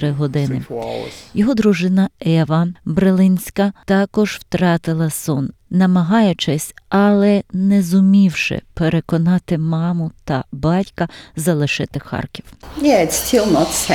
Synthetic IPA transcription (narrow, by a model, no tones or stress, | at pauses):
ɾɪɦɔd̪ɪnɪ | jɔɦɔd̪ɾʊʒɪnɐɛʋɐbɾelˠɪnʲsʲkɐt̪ɑkɔʒw̥t̪ɾɑt̪ɪlˠɐsɔn | nɐmɐɦɑjʊt͡ʃɪsʲɐlˠɛnɛzʊmʲiwʃɪ̰peɾekɔnɑt̪ɪmɑmʊt̪ɐbɑtʲkɐzɐlˠɪʃɪt̪ɪxɑ̰rkʲiwjɛɪtstʰilˠnɔts